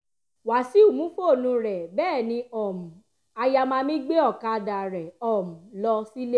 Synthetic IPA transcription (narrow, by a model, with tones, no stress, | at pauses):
wa˨si˨˦u˦˨mũ˨˦fo˦o˨nũ˧˦ɾɛ˨bɛː˦˨nĩ˧ɔ˨mũ˨ | a˧ja˧mãː˦˧mĩ˦ɡ͡be˦ɔ˦˨ka˧da˨ɾɛ˨ɔ˨mũ˨lɔ˧si˦le˦